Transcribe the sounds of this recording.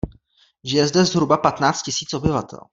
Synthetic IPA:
ʒɪjɛzdɛzɦɾubapat̪naːt͡st̪cɪsiːt͡sʔo̞bɪvat̪ɛ̰l

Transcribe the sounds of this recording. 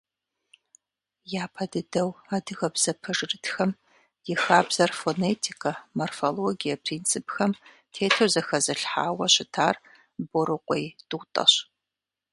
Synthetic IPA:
jaːpʰɐdɨdɐwaːdɨɣɐbz̥ɐpʰɐʐɨrɨtxɐm | jɪxaːbz̥ɐrfoneːtʰikʰɐmorfoloːɡijɐpʰriːnt͡sʰɨpxɐm | tʰeːtʰozɐxɐzɨɬħaːwɐɕɪtʰaːr | boɾɨqʷʼɔjtʼutʼɐ̰ɕ

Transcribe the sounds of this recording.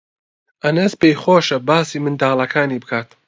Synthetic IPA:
ʔɐnɐsbejχoːʃɐbaːsiːmɨnd̪aːlˠɐkʰaːniːbɨkʰaːt̪

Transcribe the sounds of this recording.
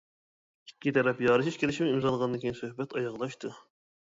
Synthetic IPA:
i̥kʲːit̪ʰɛɾɛpjɑːɾɨʃiʃkʲelɪʃmɪimzɑlˠəʁɑnd̪ɨkʲejinsøhbɛt̪ɑjɑʁlˠɑʃt̪ʰu

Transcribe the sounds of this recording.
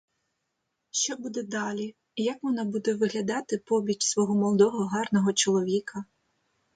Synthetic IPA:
ʃt͡ʃɔbud̪ɛd̪ɑlʲi | jɐkʋɔnɑbud̪ɛʋɪɦlʲɐd̪ɑt̪ɪpɔbʲit͡ʃʲsʋɔɦɔmɔlˠd̪ɔɦɔɦɑrnɔɦɔt͡ʃɔlˠɔʋʲikɐ

